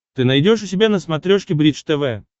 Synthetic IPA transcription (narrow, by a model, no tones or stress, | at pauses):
t̪ɨnajdʲo̞ʂʊs̬ʲɪbʲanəsmɐt̪ɾʲoʂkʲɪbɾʲit͡ʂt̪ɛvɛ